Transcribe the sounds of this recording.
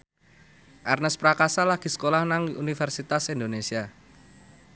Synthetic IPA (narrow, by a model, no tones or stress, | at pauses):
ʔarnəspɾakasalaɡ̥i̤sə̥kolahnaŋunifɛrsit̪asind̪onesia